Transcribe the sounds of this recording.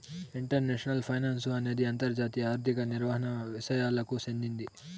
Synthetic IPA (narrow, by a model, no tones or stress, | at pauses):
iɳʈɐɾneːʂɐnɐlpʰɐjnaːnsuɐne̞ːd̪iɐnt̪ɐɾd͡ʒaːt̪ijɐaːɾt̪ikɐniɾʋɐɦɐnɐʋiʂɐjaːlɐkusend̪ind̪i